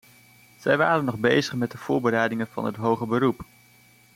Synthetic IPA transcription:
z̥ɛjʋaːɾənːɔχbejzəχmɛt̚dəv̥ʊːɹbəɾɛjdɪŋənvɑ̰nɦətɦowχəbəɾup

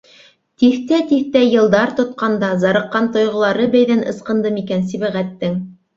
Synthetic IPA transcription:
t̪iθt̪æt̪iθt̪æjɤ̆lˠd̪ɑɾt̪ŏt̪̚qɑnd̪ɑzɑɾɤ̆qːɑnt̪ŏjʁŏlˠɑɾɤbæjðænʔɤ̆sqɤ̆nd̪ɤmikæns̬iβæʁæt̪ːɘŋ

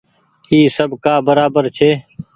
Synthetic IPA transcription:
iːsəbkaːbəɾaːbəɾt͡ʃʰeː

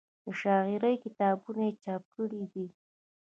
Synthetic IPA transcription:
d̪̥əʃɑɣɪɾəjkɪt̪ɑbunajet͡ʃɑp̚kəɽid̪i

